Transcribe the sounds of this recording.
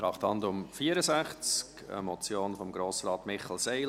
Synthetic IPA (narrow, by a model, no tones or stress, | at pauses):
tɾɑχthɑndʊmfiːəɾəzæχt͡skə̰mɔt͡sjoːnfɔmɡɾoːsɾɑːt̪mɪχl̩ˠseɪl